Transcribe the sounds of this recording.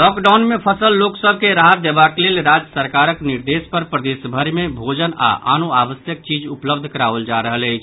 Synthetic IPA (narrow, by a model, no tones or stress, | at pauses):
lɔkɖawnmepʰəsəlːoksəbʱkeɾaɦət̪̚d̪ebakelelɾad͡ʒəsəɾkaɾəkniɾd̪espəɾpɾəd̪esbʱəɾimebʱod͡ʒəna̰ʔa̰noaβəsjək̚t͡ʃid͡ʒupləb̚d̪ʱkəɾaʋəld͡ʒaɾəɦələɪt͡ʃʰ